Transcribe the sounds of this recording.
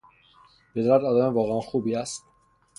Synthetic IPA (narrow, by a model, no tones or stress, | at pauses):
bed̪ɾæt̪ɒːd̪æmevɒːɣeænxuːbiːæst̪